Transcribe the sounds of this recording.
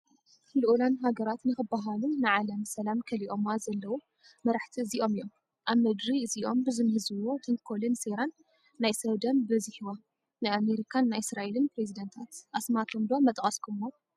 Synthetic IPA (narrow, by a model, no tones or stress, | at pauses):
luʔulanɦaɡɐɾat̪nɨxɨbaɦalunɨʕalɐmsɐlamkʰɐliʔo̞mazɐlːɐwu | mɐɾaħt̪ʰiɨziʔo̞mɨjo̞m | ʔaβmɐd̪ɾiɨziʔo̞̰mbɨzɨmhɨzɨwot̪ʰɐŋkʰolɨnseɾanː | ajsɐβd̪ɐmbɨzihiwa | najameɾikʰanːajɪsɾaʔelɨnpɾezid̪ɐnt̪ʰat̪ʔasmat̪ʰomd̪omːɐt̪ʼkʼɐskʰomo